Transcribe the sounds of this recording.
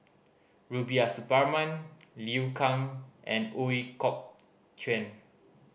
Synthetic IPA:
ɹubiasupamãnliukʰãŋʔɛ̰̃noikɔk̚ | t͡ʃʰwɛ̃n

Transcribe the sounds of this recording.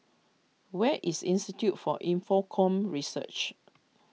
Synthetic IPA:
wɛʔisĩnstitjutfɔʔĩɱfɔkʰɔ̃mɹisə̰t͡ʃ

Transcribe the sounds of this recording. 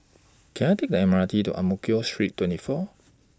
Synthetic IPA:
kʰɛ̃najtek̚dəɛməɹatitṵʔa̰mukiostɹitʰːwɛ̃ntifɔ

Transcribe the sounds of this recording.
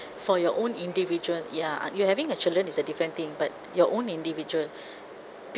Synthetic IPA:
fɔjɔʔõnĩndivid͡ʒuəlja̰juhɛvĩŋət͡ʃildɹə̃nisədifɾə̃nt̪ĩŋbat̚jɔʔõnĩndivid͡ʒuəl | p

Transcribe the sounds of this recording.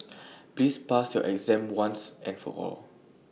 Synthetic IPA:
plispasjɔʔɛkzɛ̃mwãnsʔɛ̃nfɔ̰ʔɔ̰l

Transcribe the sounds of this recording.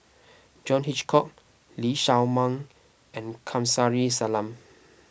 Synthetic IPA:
d͡ʒɔ̃nhit͡ʃkʰɔk̚ | liʃawmãŋ | ɛ̃nkʰãmsaɹisalãm

